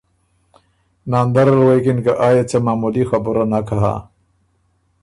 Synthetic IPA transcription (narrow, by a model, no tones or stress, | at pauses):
naːnd̪aɾalwekinkaʔajet͡samaːmulixabuɾanakʰaɦa̰